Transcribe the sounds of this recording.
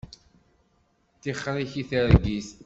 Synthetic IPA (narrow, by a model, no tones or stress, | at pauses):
θiχːɾiçiθəɾɡis